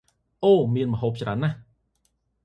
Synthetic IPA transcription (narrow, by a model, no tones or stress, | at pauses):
ʔoːmiənmə̆ɦoːp̚t͡ɕra̰ənːah